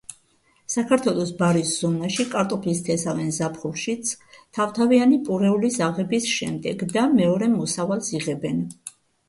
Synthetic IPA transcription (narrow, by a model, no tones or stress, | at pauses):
sakʰaɾt̪ʰwɛlˠɔsbaɾisz̥ɔnaʃikʼaɾt̪ʼɔpʰlist̪ʰɛsavɛnzapʰχulˠʃit̪sʰt̪ʰavt̪ʰavianipʼuɾɛulisaʁɛbisʃɛ̰md̪ɛɡd̪amɛɔɾɛmɔsavalˠsiʁɛbɛn